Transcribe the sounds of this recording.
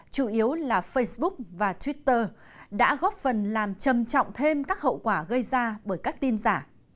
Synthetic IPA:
t͡ɕu˧˩ʔi˨˦əwlaː˨˩fə˧jsɓʊ˦˥k̚vaː˨˩t̪ʰwi˦˥t̪ːəː˧ | ɗa̰ː˧˥ɣɔ˦˥p̚fə˨˩nlaː˨˩mt͡ɕə˨˩mt͡ɕɔ̰˧˨wŋ͡mt̪ʰe˧mkaː˦˥k̚hə̰˧˨wkwaː˧˩ɣə˧jzaː˧ɓəː˧˩jkaː˦˥k̚t̪i˧nzaː˧˩

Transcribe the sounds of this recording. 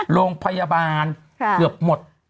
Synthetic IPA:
ɾoː˧ŋpʰa˧ja˧baː˧n | kɯ˨˩əp̚mo˨˩t̪̚

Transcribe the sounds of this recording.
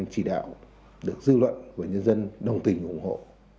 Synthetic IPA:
ŋt͡ɕi˧˩ɗa̰ː˧˨w | ɗɨ˨˩ək̚zɨ˧lwə̰˧˨nvaː˨˩ɲə˧nzə˧nɗə˨˩wŋ͡mt̪ï˨˩ŋ̟ʔʊ˧˩ŋ͡mɦo̰˧˨

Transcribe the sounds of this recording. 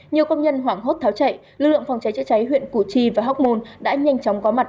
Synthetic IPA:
ɲi˨˩əwkə˧wŋ͡mɲə˧nɦwaː˧˩ŋɦo˦˥t̚t̪ʰaː˨˦wt͡ɕa̰˧˨jlɨ˨˩k̚lɨ̰˧˨ŋfa˨˩wŋ͡mt͡ɕa˨˦jt͡ɕa˧˥jt͡ɕa˨˦jɦwḭ˧˨ənku˧˩t͡ɕi˧˩vaː˨˩ɦa˦˥wk͡p̚mo˧nɗa̰ː˧˥ɲa˧jŋ̟t͡ɕɔ˨˦wŋ͡mkɔ˨˦ma˨˩t̚

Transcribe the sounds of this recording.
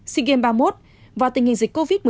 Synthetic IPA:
si˧ɣe˧nɓaː˧mo˦˥t̚ | vaː˨˩t̪ï˨˩ŋ̟hï˨˩ŋ̟zï˨˩k̟kːo˧vi˦˥t̚mɨ˨

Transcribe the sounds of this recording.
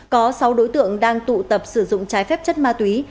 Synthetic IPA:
kɔ˨˦sa˨˦wɗo˨˦jt̪ɨ̰˧˨əŋɗaː˧ŋt̪ṵ˧˨t̪ə˨˩p̚sɨ˧˩zʊ̰˧˨ŋ͡mt͡ɕaː˨˦jfɛː˦˥p̚t͡ɕə˦˥t̚maː˧t̪wi˨˦

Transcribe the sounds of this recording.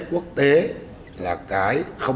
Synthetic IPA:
ku˦˥ək̚t̪e˨˦ | laː˨˩kaː˧˩˦jxə˧w

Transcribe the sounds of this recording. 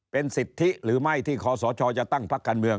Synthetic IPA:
pe˧nsi˨˩t̪ʰːi˦˥ɾɯː˩˦ma˥˩jt̪ʰiː˥˩kʰɔː˨˦sɔː˩˦t͡ɕʰɔː˧t͡ɕa˨˩t̪a˥˩ŋpʰa˦˥kːaː˧nmɯ˧əŋ

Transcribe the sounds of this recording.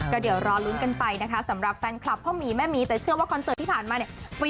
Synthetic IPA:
kɔː˥˩di˨˩˦əwɾɔː˧nlu˦˥nka˧npa˧jna˦˥kʰa˦˥sa˩˦mɾa˨˩p̚kaː˧nkʰla˨˩p̚ʰːɔː˥˩miː˧mɛː˥˩miː˧t̪ɛː˨˩t͡ɕʰɯ˥˩əwaː˥˩kʰɔ˧nsɤː˨˩t̪ʰːiː˥˩pʰaː˨˩nmaː˧ni˧˩pa˧

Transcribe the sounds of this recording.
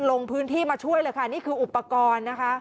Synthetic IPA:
lo˧ŋpʰɯː˦˥nt̪ʰiː˥˩maː˧t͡ɕʰu˥˩əjlɤː˧jkʰa˥˩niː˥˩kʰɯː˧˩ʔu˨˩pːa˧kɔː˧nːa˦˥kʰa˦˥

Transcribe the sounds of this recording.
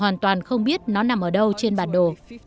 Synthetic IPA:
waː˨˩nt̪waː˨˩nxə˧wŋ͡mɓi˦˥ət̚nɔ˨˦na˨˩mʔəː˧˩ɗə˧wt͡ɕe˧nɓaː˨˩nɗo˨˩

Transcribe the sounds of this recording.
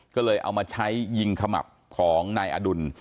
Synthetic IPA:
kɔː˥˩lɤː˧jʔa̰˧wmaː˧t͡ɕʰa˦˥jːi˧ŋkʰa˧ma̰˨˩p̚kʰɔː˩˦ŋnaː˧jʔa̰˧du˧n

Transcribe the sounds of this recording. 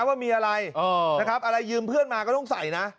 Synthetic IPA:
waː˥˩miː˧ʔa˧ɾa˧jʔɤː˧na˦˥˩kʰɾa˦˥p̚ʔa˧ɾa˧jːɯː˧mpʰɯ˥˩ənmaː˧kɔ˥˩t̪ɔ˥˩ŋsa˩˦jna˦˥ʔ

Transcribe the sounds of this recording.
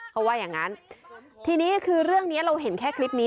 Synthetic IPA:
pʰa˦˥waː˥˩jaː˨˩ŋːa˦˥nt̪ʰiː˧niː˦˥kʰɯː˧ɾɯ˥˩əŋni˦˥ɐɾa˧wɦe˨˩˦nkʰɛː˥˩kʰli˦˥p̚niː˦˥

